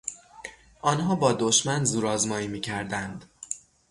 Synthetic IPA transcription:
ʔɒːnɦɒːbɒːd̪oʃmænzuːɾɒːzmɒːjiːmiːcʰæɾd̪ænd̪̥

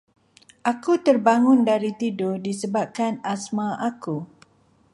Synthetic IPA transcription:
ʔakut̪ərbaŋʊ̃ndaɾit̪idodisəbap̚kanasmãʔaku

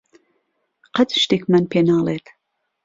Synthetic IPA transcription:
qɐt̪ʃt̪ikmænpʰenɑːlet̪

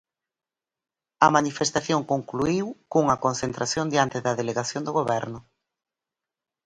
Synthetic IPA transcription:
ɐmanifest̪aθjoŋkoŋkluiwkuŋɐkonθent̪ɾaθjond̪jant̪ɪðɐðeleɣaθjond̪ʊɣoβɛɾnʊ

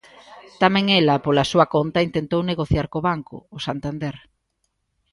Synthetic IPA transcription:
t̪amɛ̃ŋɛlɐpolasuɐkont̪ɐint̪ent̪owneɣoθjaɾkoβaŋkʊ̰ːsant̪and̪ɛɾ

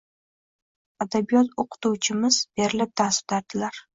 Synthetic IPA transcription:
ad̪abijɒt̪oqʰɨ̥t̪uwt͡ʃʰɪmɪzb̥e̞ɾɪlɪp̚d̪asʊ̥t̪aɾd̪̥ɪlaɾ

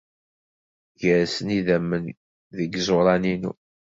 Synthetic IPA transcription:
ʝəɾsəniðæmːən | ðəɡzˤoɾˤɑninṵ

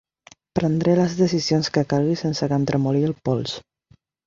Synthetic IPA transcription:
pɾənd̪ɾeləzðəsizionskəkalɣisensəkənt̪ɾəmuliəlˠpɔlˠs

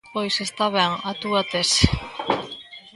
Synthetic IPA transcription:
pojsest̪aβɛŋat̪uat̪es

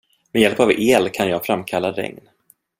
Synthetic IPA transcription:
mɛjɛlpaveːlkʰanjɑːɡfɾamkʰalːaɾɛ̰ŋn

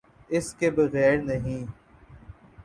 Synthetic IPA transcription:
ɪskebɐɣɛːɾnɐɦĩː

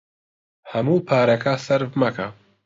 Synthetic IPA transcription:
hɐmuːpʰaːɾɐkʰasɐɾvmɐkʰa̰

